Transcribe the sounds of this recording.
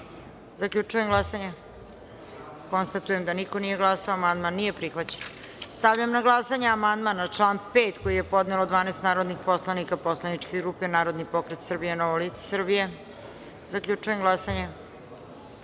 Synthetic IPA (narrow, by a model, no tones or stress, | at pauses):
zakʎʲut͡ʂujemɡlˠasaɲe | ko̞nst̪at̪ujemd̪anikonije̞ɡlˠasaoamand̪manːije̞pɾixʋat͡ɕen | st̪aʋʎamnaɡlˠasaɲaamand̪manat͡ʂlˠaːnpeːt̪kojije̞po̞d̪nelod̪ʋaːnest̪naːɾod̪nixpo̞slˠanikapo̞slˠanit͡ʂkeɡɾupenaːɾo̞d̪nipo̞kɾet̪sr̩bijenoʋolit̪se̥sr̩bije̞ | zakʎut͡ʂujemɡlˠasaɲe